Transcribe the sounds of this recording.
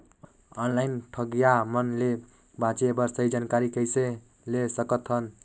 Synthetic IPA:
ʌnlajnʈʰʌɡjamʌnle | bãt͡sebʌrsʌjd͡zankaɾikʌjse | lesʌkʌt̪ʰːʌn

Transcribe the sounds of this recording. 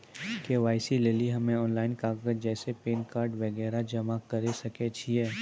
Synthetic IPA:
keʋaːɪsileːliɦɐmẽɔːnlaːɪnkaːɡəd͡ʒd͡ʒɛːsepeːnkaːɾɖʋɐɡɛːɾad͡ʒɐmakɐɾesɐket͡ʃʰiɛː

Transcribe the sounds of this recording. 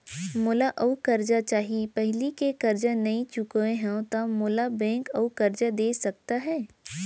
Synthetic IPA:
moːlaʔɐukɐɾd͡ʒat͡ʃaːɦipɛɦlikekɐɾd͡ʒanɐĩt͡ʃʊkːẽɦɛ̃t̪amoːlabɛ̃ːŋkɐukɐɾd͡ʒad̪eːsɐk̚t̪aɦɛː

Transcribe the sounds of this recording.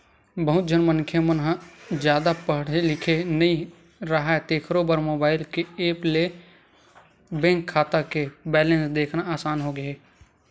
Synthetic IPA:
bəɦʊt̪̚d͡ʒʱənmənkʰjemənɦãd͡ʒjaːd̪apəɽ̤elɪkʰenəĩ | ɾəɦaet̪eːkʰɾobəɾmoːbaːɪlkeeːple | bɛ̃ːŋkʰːaːt̪akebɛːlẽnsd̪eːkʰnaaːsaːnɦoɡəeː

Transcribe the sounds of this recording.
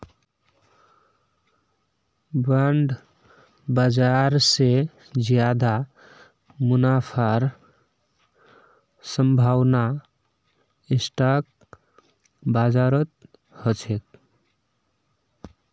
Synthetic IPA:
baɳɖ | bad͡ʒaɾse | d͡ʒjad̪a | munapʰaɾ | səmbʱawna | esʈak̚ | bad͡ʒaɾət̪̚ | hʌt͡ʃʰet̪̚

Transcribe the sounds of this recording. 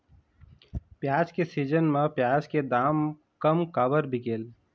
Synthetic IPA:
pjaːd͡ʒkesiːd͡ʒənmẽpjaːd͡ʒked̪aːm | kəmkaːbəɾbʱɪkeːl

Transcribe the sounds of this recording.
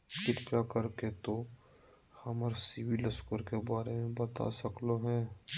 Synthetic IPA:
kɪt̪pjakəɾket̪o | hɐməɾsɪwiləskʊɾkebaːɾemẽbɐt̪a̰sɐkloɦɛ̃ː

